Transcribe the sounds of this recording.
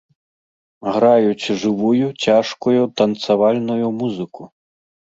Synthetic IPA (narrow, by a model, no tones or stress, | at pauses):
ɣɾajut͡sʲʐɨvujut͡sʲaʂkujut̪ɐnt̪savalʲnujumuzɨku